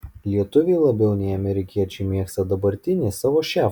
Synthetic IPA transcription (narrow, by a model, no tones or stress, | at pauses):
lʲiɛt̪ʊʋʲeɪlˠɐbʲɛʊnʲɛɪɐmʲɛɾʲɪkʲiɛt͡ʃʲɛmʲiɛkst̪ɐd̪ɐbɐɾʲt̪ʲɪnʲɪsɑːʋoːʃʲæː